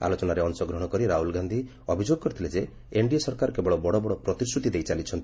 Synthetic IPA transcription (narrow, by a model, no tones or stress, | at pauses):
a̰lot͡ʃɔnaɾeɔnsɔɡɾɔɽ̃ɔkɔɾiɾaɦulɡand̪ʱi | ɔbʱid͡ʒoɡɔkɔɾit̪ʰiled͡ʒe | eɳɖiesɔɾkaɾɔkebɔɭɔbɔɽɔbɔɽɔpɾɔt̪isʈɾut̪id̪ejt͡ʃalit͡ʃʰɔnt̪